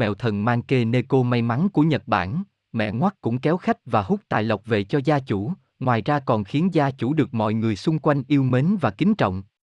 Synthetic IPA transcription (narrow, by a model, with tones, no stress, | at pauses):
ɛ̰˧˨wt̪ʰə˨˩nmaː˧nke˧ne˧ko˧ma˧jma˨˦nku˧˩əɲə˨˩t̚ɓa̰ː˧˩n | mɛ̰˧˨ŋwa˦˥t̚kʊ̰˧˥ŋ͡mkɛ˨˦wxa˦˥jk̟̚vaː˨˩hʊ˦˥k͡p̚t̪a̰ː˧˨jlə˨˩wk͡p̚vḛ˧˨t͡ɕɔ˧zaː˧t͡ɕu˧˩ | ŋwaː˨˩jzaː˧kɔ˨˩nxi˨˦ənzaː˧t͡ɕu˧˥ɗɨ˨˩ək̚mɔ̰˧˨jŋɨ˨˩əjsʊ˧ŋ͡mkwa˧jŋ̟ʔi˧əwme˨˦nvaː˨˩kï˨˦ŋ̟t͡ɕɔ̰˧˨wŋ͡m